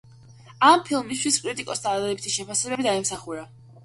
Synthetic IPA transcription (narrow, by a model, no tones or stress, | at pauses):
ampʰilˠmist̪ʰwiskʼɾit̪ʼikʼɔsd̪aːd̪lɛbit̪ʰiʃɛpʰasɛbɛbid̪aɛmsaχuɾa